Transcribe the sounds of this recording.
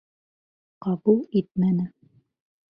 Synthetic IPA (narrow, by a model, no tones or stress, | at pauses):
qɑβulˠit̪̚mænɘ